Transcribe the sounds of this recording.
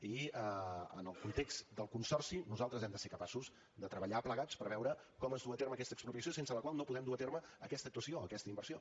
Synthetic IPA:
iəə̰nəlˠkunt̪ekst̪d̪əlˠkunsɔrsinuzalˠt̪ɾəzɛmd̪əseɾkəpasuz | d̪ət̪ɾəβəʎapləɣat͡spəɾβɛwɾəkɔməzðuət̪erməːkɛst̪əkspɾupiəsijosensələkwalˠnopuðɛmd̪uaət̪erməːkɛst̪ək̚t̪uəsioəkɛst̪əimbərsio

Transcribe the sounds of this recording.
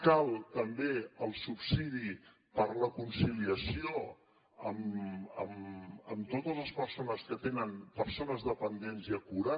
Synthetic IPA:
kalˠt̪əmbeəlˠsupsiði | pəɾləkunsiliəsio | əməməmt̪ot̪əzləspəɾsonəskət̪enənpəɾsonəzðəpənd̪enziəkuɾa

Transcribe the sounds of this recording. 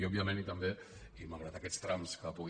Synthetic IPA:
iɔbiamẽnit̪ambe | imaɣɾat̪akɛst̪ɾamskəpuɣ

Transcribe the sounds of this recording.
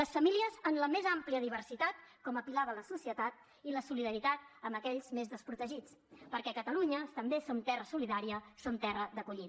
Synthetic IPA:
ləsfəmiliəzənləmezampliəðiβ̞ərsit̪at̪kɔməpilaβələsusiət̪at̪̚ | iləsuliðəɾit̪at̪̚əməkɛʎzmezðəspɾut̪əʒit͡spəɾkɛkət̪əluɲət̪əmbesont̪ɛrəsuliðaɾiəsont̪ɛrəðəkuʎi

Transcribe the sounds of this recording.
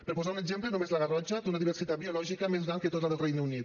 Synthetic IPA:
peɾpozaɾuned͡ʒɛmplenomezlaɣarɔd͡ʒːad̪unad̪iβersit̪abiolɔʒikamezd̪aaŋket̪ot̪ad̪elrɛjnunit̪

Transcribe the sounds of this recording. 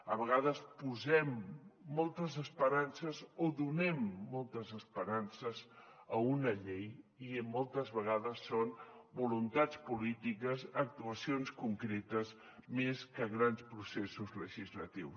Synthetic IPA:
əβəɣ̞aðəspuzɛmːɔlˠt̪əzəspəɾansəzoðunɛmːɔlˠt̪əzəspəɾansəzəunəʎejimːɔlˠt̪əzβəɣ̞aðəsːonbulunt̪at͡spulit̪ikəzək̚t̪uəsionskuŋkɾet̪əz | meskəɣɾanspɾusesuzləʒizlət̪iws

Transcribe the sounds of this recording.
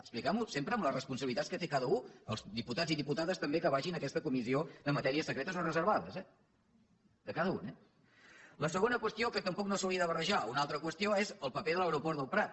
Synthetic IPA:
əksplikamusempɾəːmləsrəspunsəβilit̪atskət̪ekaðəuə̰lˠzðiput̪ad͡ziðiput̪aðəst̪əmbekəβ̞aʒinəkɛst̪əkumiziod̪əmət̪ɛɾiəsəkɾet̪əsonrəzəɾβaðəzɛ | d̪əkaðəunɛ | ləsəɣonəkwəst̪iokət̪əmpɔknosəwliəðəβərəʒaunalˠt̪ɾəkwəst̪ijoezəlˠpəpeðələwɾupɔɾt̪ðəlˠpɾat̪̚

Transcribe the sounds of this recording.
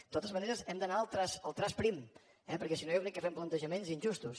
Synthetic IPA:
t̪ot̪əzməneɾəzɛmd̪ənaəlˠt̪ɾasəlˠt̪ɾaspɾim | ɛpəɾkɛsinojoɣnikːəfɛmplənt̪əʒəmenzinʲʒust̪us

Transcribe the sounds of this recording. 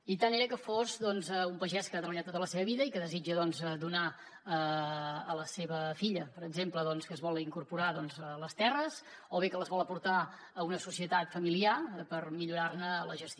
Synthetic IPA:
it̪aneɾəkəfozd̪ɔnzɛumpəʒɛskəat̪ɾəβəʎat̪ot̪ələseβəβiðəikəðəzid͡ʒəðɔnzəd̪una | əː | ləseβəfiʎəpəɾəɡzempləðɔnskəːzβɔlˠiŋkurpuɾaðɔnzələst̪ɛrəsoβekələzβɔləpuɾt̪aː | unəsusiət̪at̪fəmiliapərmiʎuɾarnələʒəst̪

